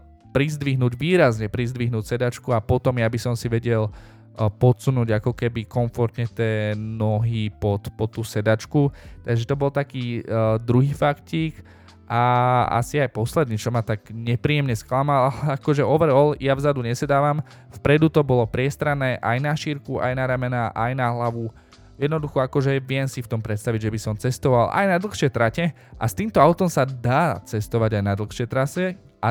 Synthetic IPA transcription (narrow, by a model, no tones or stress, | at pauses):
pɾizd̪ʋiɦnuːɟʋiːɾazɲɛpɾizd̪ʋiɦnuːcsɛd̪at͡ʃkuapɔt̪ɔmjabisɔmsiʋɛɟɛl | pɔt̪sunuːɟakɔkɛbikɔɱfɔɾt̪ɲɛt̪ɪɛːnɔɦipɔt̪pɔt̪ːuːsɛd̪at͡ʃkut̪aɡʒɛt̪ɔbɔlt̪akiːd̪ɾuɦiːfakciːk | ʔaa̰siajpɔslɛd̪niːt͡ʃɔmat̪aɡɲɛpɾiːɛmɲɛsklamalalɛakɔʒɛɔʋɛɾɔljavzad̪uɲɛsɛd̪aːʋam | fpɾɛd̪ut̪ɔbɔlɔpɾɪɛst̪ɾanɛːʔajnaʃiɾkuʔa̰jnaɾɛmɛnaʔajnaɦlaʋu | jɛd̪nɔd̪uxɔakɔʒɛʋɪɛmsift̪ɔmpɾɛt̪st̪aʋiɟʒɛbisɔmt͡sɛst̪ɔʋalʔa̰jnad̪l̩xʃɪɛjt̪ɾacɛ | ʔa̰st̪iːmt̪ɔaʊt̪ɔmsad̪aːt͡sɛst̪ɔʋaɟajnad̪l̩ˠxʃɛt̪ɾasɛ | ʔa